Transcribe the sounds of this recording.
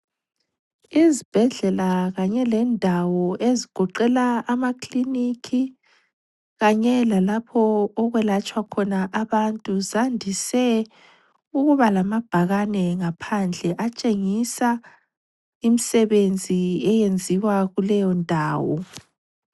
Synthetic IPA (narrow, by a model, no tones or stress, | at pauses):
izib̥ʱɛɮɛlaɣaɲɛlɛndʱawɔʔeziɡ̥ʱɔǃɛlaːmakʰlinikʰi | ɣaɲɛlalapʰɔːɣwɛlat͡ʃʼwakʰɔnaʔaβantʼuzandʱisɛ | uɣuβalamab̥ʱaɣanɛŋapʰand͡ɮʱɛʔat͡ʃʼeŋisa | imisɛβend͡zʱiɛjend͡zʱiwaɣulɛjɔndʱaːwɔ